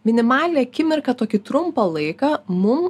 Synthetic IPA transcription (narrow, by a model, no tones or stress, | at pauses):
mʲɪnʲɪmɑːlʲɪnʲeɐkʲɪmʲɪɾkɐt̪oːkʲɪt̪ɾʊmpɐlˠɐɪkɑmʊm